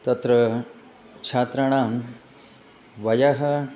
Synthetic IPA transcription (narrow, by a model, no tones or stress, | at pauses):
t̪ɐt̪ɾɐ | t͡ʃʰaːt̪ɾaːɳaːm | ʋɐjɐɦɐ̆